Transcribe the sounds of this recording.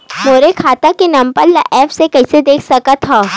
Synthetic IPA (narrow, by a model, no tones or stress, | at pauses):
moːɾekʰaːt̪akinɐ̃mpəlːa̰ʔɛːfsekɛːsed̪eːkʰsɐkat̪ʰɦaː